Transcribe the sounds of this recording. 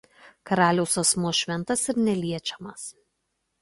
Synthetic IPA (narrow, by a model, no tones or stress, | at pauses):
kɐɾɑːlʲɛʊsɐsmuɔʃʲʋʲɛnt̪ɐsɪɾnʲɛlʲiɛt͡ʃʲɛmɐs